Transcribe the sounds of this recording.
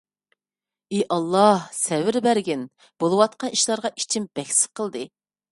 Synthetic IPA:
eʔɑlˠːɑhsɛwɪɾbæɾɡʲɪn | b̥olˠɨwɑt̪̚qʰɑniʃlˠɑɾʁɑʔit͡ʃʰimb̥ɛkʲsɪ̥qʰəlˠd̪ɨ

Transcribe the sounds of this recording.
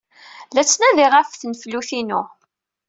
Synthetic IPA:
læt͡sːnæðiʁəfθnfluθinu

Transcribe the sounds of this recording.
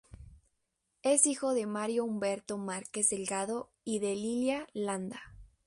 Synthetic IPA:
esixo̞ðe̞maɾjo̞umbeɾt̪o̞maɾkezðelɡað̞o̞ | iðe̞liljaland̪a

